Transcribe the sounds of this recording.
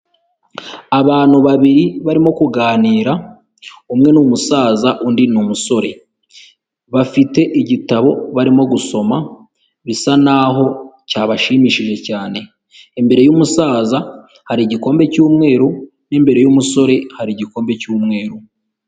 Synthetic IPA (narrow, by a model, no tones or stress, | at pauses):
aβaːn̥huβaβiɾiβaɾimo̞kuɡaːniːɾa | umŋe̞numusaːzaʔundinumuso̞ɾe̞ | βafite̞ʔiɟitaβo̞βaɾimo̞ɡuso̞ma | βisanaɦo̞caːβaʃiːmiʃiʒe̞caːne̞ː | mbe̞ɾe̞jumusaːza | haɾiɟiko̞ːmbe̞cuːmŋe̞ːɾu | nembe̞ɾe̞jumuso̞ɾe̞haɾiɟiko̞ːmbe̞cuːmŋe̞ːɾu